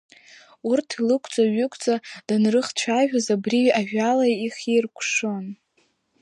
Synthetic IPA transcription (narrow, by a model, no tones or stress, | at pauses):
urtʰilɨkʷʼʰd͡zʼaɥʏkʷʰʼt͡sʼad̥anrɨχt͡ɕʷʰaʒᶣazabriaʒᶣalajiχirkʷʰʂon